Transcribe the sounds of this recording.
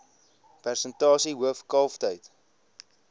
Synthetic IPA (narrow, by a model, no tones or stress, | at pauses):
pærsəntɑːsiɦuəfkɑːftəjt